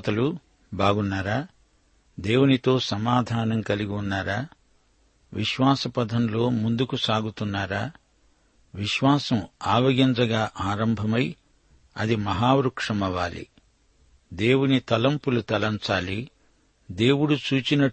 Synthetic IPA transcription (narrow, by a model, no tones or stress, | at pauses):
t̪ɐlu | baːɡunːaːɾaː | d̪e̞ːwunit̪o̞ːsɐmaːd̪ʱaːnɐmkɐliɡiunːaːɾaː | ʋiʃʋaːsɐpɐd̪ʱɐmlo̞ːmund̪ukusaːɡut̪unːaːɾaː | ʋiʃʋaːsɐmaːʋɐɡint͡ʃɐɡaːʔaːɾɐmbʱɐmɐj | ɐd̪imɐɦaːʋɾukʂɐmɐʋaːlḭ | d̪e̞ːwunit̪ɐlɐmpulut̪ɐlɐnt͡ʃaːli | d̪e̞ːwuɽut͡ʃuːt͡ʃinɐ